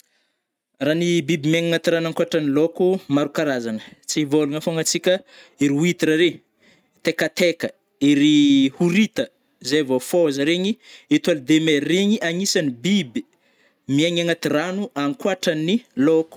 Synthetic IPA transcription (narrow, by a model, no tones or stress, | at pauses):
ranibibimiaŋaŋat̪iɾanaŋkuaʈ͡ʂanilokumaɾukaɾazanə̥t͡sivoluŋəfoŋat͡sikʲə | iɾiuit̪iɾaɾe | t̪ekət̪ekə | iɾihuɾit̪ə | zejvofoazəɾeɲiet̪ualid̪emereɲiʔaŋisanibibi | miaŋaŋat̪iranuʔaŋkwaʈ͡ʂəniloku̥